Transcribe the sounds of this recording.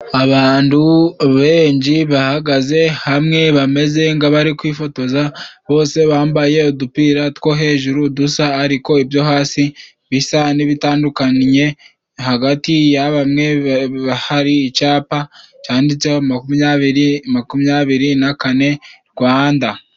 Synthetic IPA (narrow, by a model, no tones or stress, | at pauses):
aβaːntuβe̞ːɲɟiβahaɡaze̞hamŋe̞βame̞ze̞ŋɡaβaɾikwiːfo̞to̞zaβo̞ːse̞βaːmbaje̞odupiːɾatwo̞ɦe̞ːʒuɾudusaːɾiko̞iβjo̞haːsi | βisaniβitaːndukanɲe̞ | haɡatijaβamŋe̞βahaɾiːt͡ʃaːpat͡ʃaːndit͡seamakumaβiɾimakumɲaβiɾinakane̞ɾɡwaːnda